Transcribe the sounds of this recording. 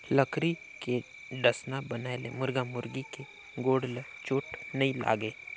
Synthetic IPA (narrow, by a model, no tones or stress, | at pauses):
ləkɾi | ke | ɖəsnabənaːelḛmʊɾɡamʊɾɡike | ɡoːɽlet͡ʃʊːʈnɐĩla̰ːɡeː